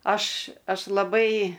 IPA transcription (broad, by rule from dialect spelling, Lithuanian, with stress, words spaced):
ˈɐʃ ˈɐʃ lˠɐˈbɐɪ